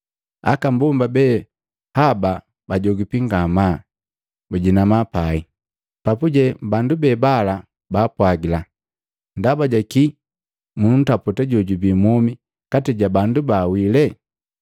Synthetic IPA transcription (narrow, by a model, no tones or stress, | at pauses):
a̰kambumbabɛ | haba | baɟɔɡipiŋɡama | buɟinamapai | papuɟɛbandubɛbala | baːpwaɡila | ndabaɟaki | mun̩taputaɟɔɟubimɔmi | katɛɟabandubawilɛ